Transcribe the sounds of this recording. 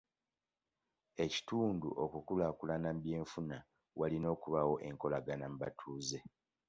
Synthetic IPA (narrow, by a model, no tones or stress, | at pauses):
e̞ci̥tuːndṵʔokukulakulanambje̞ːɱfuna | walino̞ːkuβawo̞ʔe̞ŋko̞laɡanam̩ba̰tʰuːze̞